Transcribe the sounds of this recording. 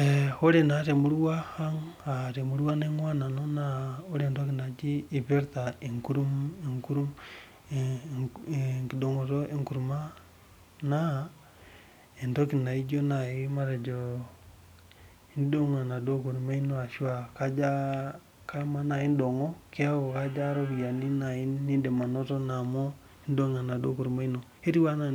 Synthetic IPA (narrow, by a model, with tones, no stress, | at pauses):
exo˦ɾenaɾe˨mu˦ɾu˦wa˦ha˦ŋaɾe˨muɾuwa˦neŋwa˦na˨no˦naoɾe˨ndokina˨d͡ʒi˦i˨βe˦ɾtaeŋkuɾuŋku˦ɾu˦ | kido˨ŋo˨ɾoʔe˦ŋku˨ɾuma˦ | na | e˨nto˦ki˨na˨i˦d͡ʒo˦na˨i˦ma˦ɾe˨d͡ʒo˨ | i˦n˦do˦ŋa˨na˨do˦ku˨ɾu˨ma˦i˦no˦a˨ʃi˦wa˨ka˦d͡ʒa˦ | ka˦ma˦na˨i˦n˦do˨ŋo˦ke˦a˦wo˨ka˦d͡ʒa˦ɾo˦bi˨ja˨ni˦na˨ji˦nːi˦de˨ma˨no˦to˦na˨mo˦ | i˦n˦do˦ŋa˨na˨do˦ku˨ɾu˨ma˦i˦no˨he˦ɾi˦wa˦na˦